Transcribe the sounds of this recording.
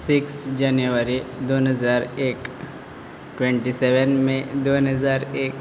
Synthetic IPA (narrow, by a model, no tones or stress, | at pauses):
sɪksd͡ʒanjuʋəɾid̪onɦəzaːɾeːk | ʈwẽɳʈisɛʋənmẽd̪onɦəzaːɾeːk